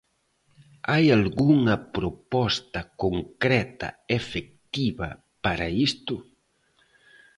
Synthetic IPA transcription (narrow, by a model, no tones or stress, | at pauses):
ajalɡuŋɐpɾopɔst̪ɐkoŋkɾɛt̪ɐ̰efek̚t̪iβɐ̰ | paɾɐist̪ʊ